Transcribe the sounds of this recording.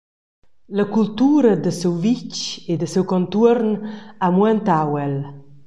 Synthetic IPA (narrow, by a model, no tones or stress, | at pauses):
ləkult̪uːɾəd̪əsɛwvit͡ʃed̪əsewkɔnt̪urnamwɛnt̪awɛl